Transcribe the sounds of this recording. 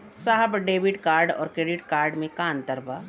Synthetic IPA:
saɦəbɖeːʋiʈkaːɾɖɔ̰ːɾkɾeːɖɪʈkaːɾɖmẽkaːnt̪əɾbə

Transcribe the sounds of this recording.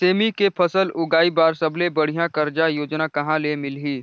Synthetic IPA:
seːmikepʰɐsəlʊɡaːibaːɾsɐblebɐɽ̤ijãkɐɾd͡ʒajoːd͡ʒnakɐɦãlemɪlɦiː

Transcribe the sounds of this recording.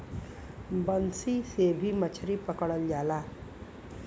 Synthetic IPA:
bʌnsisebʱimʌt͡ʃʰʌɾipʌkʌɽʌljala

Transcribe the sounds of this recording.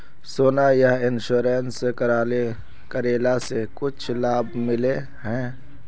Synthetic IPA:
soːnajaɪnʃuːɾeːnsekəɾaːle | kəɾeːlasekʊt͡ʃʰlaːbmɪle | ɦɛ̃ː

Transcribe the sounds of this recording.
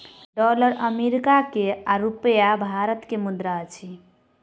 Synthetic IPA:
ɖɔləɾəmeɾikakeaɾupəjabʱaɾət̪kemud̪ɾat͡ʃʰi

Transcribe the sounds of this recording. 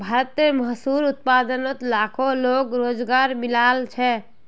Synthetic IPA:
bʱaɾət̪meməɦsuːɾʊt̪̚paːd̪ənot̪laːkʰoloːkɾoːd͡ʒɡaːɾmɪlaːlt͡ʃʰɛ

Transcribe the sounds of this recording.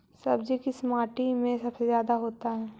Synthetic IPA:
sɐbd͡ʒekɪsmaːʈimẽsɐbsezjaːd̪aɦoːt̪aɦɛː

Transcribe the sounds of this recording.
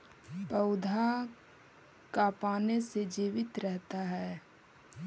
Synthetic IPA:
pəʊd̪ʱa | kaːpaːnesed͡ʒiːʋɪt̪ɾɛɦt̪aɦɛː

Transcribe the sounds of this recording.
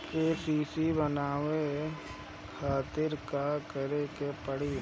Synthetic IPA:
keːsiːsibənaːwe | kʰaːt̪ɪɾkakəɾekepəɽi

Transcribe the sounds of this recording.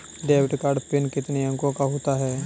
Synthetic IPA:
ɖeːʋɪʈkaːɾɖpɪnkɪt̪neɐ̃ŋkõkaɦoːt̪aɦɛː

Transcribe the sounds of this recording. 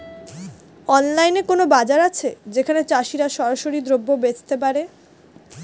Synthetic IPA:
ɔnlajnekonobad͡ʑaɾat͡ɕʰed͡ʑekʰanet͡ɕaʃiɾaʃɔɾaʃoɾid̪ɾobːobed͡ʑt̪ep̬aɾe

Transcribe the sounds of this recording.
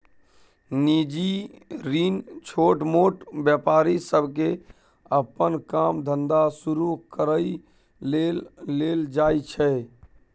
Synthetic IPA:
nid͡ʒiɾiːnt͡ʃʰoːʈmoːʈbjəpaːɾisəbʱke | əpənkaːmd̪ʱənd̪asuɾukəɾəi | eleːld͡ʒaːit͡ʃʰɛ

